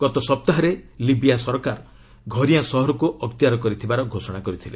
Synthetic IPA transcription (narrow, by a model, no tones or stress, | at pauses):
ɡ̥ɔt̪ɔsɔp̚t̪aɦɔɾelibijasɔɾɔkaɾ | ɡʱɔɾijasɔɦɔɾɔkuʔɔkt̪ijaɾɔkɔɾit̪ʰibaɾɔɡʱosɔɽ̃akɔɾit̪ʰile